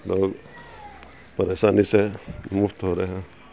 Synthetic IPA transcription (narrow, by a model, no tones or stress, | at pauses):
loːɡ | pɐɾeːʃaːnisemʊft̪ɦoːɾeɦɛ̃